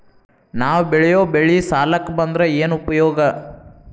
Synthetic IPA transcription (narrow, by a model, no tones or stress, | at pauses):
naːʋbɛɭɛjoːbeɭisaːlɐkːbɐnd̪ɾeeːnupɐjɔːɡɐ